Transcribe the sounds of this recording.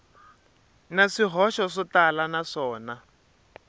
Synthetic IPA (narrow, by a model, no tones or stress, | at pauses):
naʂiɦɔʃɔʂɔtalanaʂɔːna